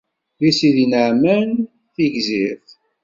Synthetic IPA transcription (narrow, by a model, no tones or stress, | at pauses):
ðisiðinəʕmæn | θiʝziθ